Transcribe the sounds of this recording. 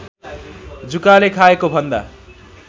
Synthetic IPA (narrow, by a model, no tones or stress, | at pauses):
d͡zukalekʰaekobʱʌnd̪a̰